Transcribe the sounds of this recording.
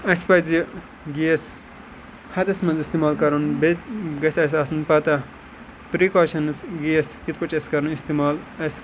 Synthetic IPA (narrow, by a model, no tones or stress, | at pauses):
ɐspɐzi | ɡies | hɐd̪ɐsmɐnzist̪imaːlkɐɾunbet̪ɡɐsɐsaːsunpɐt̪ɐ | pɾikoːʃɐnsɡiɐskit̪̚ʰpɐt͡ʃʰɐskɐɾɐnist̪imaːlɐs